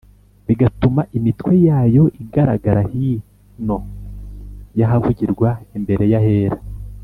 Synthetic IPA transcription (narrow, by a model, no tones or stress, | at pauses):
βiɡatumaʔimitwe̞jaːjo̞ʔiɡaɾa̰ɡaɾahi | no̞ | jaɦavuɟiɾɡwaimbe̞ɾe̞jahe̞ːɾa